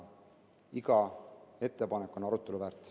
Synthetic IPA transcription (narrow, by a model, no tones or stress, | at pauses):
iɡɑe̞t̪ːe̞pɑnekːˑo̞nɑɾut̪ːˑe̞luvæːɾt̪ˑ